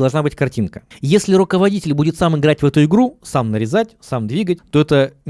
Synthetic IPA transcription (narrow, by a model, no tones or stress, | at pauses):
ɐlˠʐnabɨtʲkɐrtʲinkəjesʲlʲɪɾʊkəvɐdʲitʲɪlʲbudʲɪt̪samɪɡɾatʲvɛt̪ʊɪɡɾusamnəɾʲɪzatʲsamd̪vʲiɡətʲt̪o̞ɛt̪ə